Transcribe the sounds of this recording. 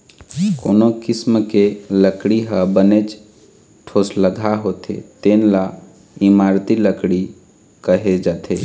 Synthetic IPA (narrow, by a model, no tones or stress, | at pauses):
koːnokismkeləkɽiɦəbənet͡ʃ | ʈʰosləɡʱaɦot̪ʰḛt̪enla | imaɾt̪iləkɽi | kəɦed͡ʒat̪ʰe